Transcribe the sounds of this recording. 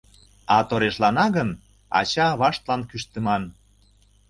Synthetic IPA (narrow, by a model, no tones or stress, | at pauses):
ɑt̪oɾeʃlɑnɑɣən | ɑ̰t͡ɕɑβɑʃt̪lɑnkyʃt̪ə̆mɑn